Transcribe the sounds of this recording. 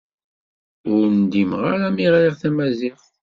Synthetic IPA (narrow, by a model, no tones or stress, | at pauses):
ʊɾnd̪imʁaɾæmiʁɾiʁθæmæzɪʁ